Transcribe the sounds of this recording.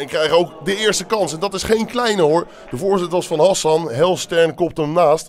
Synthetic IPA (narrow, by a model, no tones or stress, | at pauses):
ɪkːrɛjχowkdəɪːɹstəkɑnsɛndɑtɪsχejnklɛjnəɦʊːɹ | d̥əvʊːɹzɪtəʋɑsfɑnɦɑsɑnɦɛlˠstɛɹnkɔp̚təmnaːst